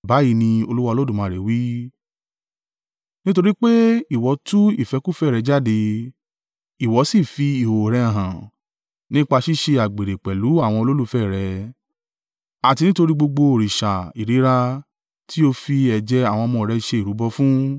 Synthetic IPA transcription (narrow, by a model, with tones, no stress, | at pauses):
ba˨˦ji˧˦nĩ˧o˧lu˦wa˧lo˦dũ˦˨mã˧˦˨ɾe˨˦wi˦ | nĩ˦to˧ɾi˦k͡pe˦i˦˨wɔ˨˦tu˦ḭ˦˨fɛ˨˧ku˦˨fɛ˦˨ɾɛ˨˧˦d͡ʒa˦˨de˧ | i˨wɔ˨˦si˦˨fi˧i˨ho˨ɾɛ˧ã˨ɦã˨ | nĩ˦k͡pa˧ʃi˦˨ʃe˧a˨ɡ͡be˨ɾe˨k͡pɛ˨lu˨˦a˦˨w̃ɔ̃˧o˧lo˦lu˦fɛ˦˨ɾɛ˨˧˦ | a˨ti˧nĩ˦to˧ɾi˦ɡ͡bo˧ɡ͡bo˧o˨ɾi˨ʃa˨i˨ɾi˨˦ɾa˧ | tʰi˦o˧fi˧ɛ˨d͡ʒɛ˧a˦˨w̃ɔ̃˧mɔ̃˧˨ɾɛ˧ʃe˧˨ɾu˨˦bɔ˧fũ˦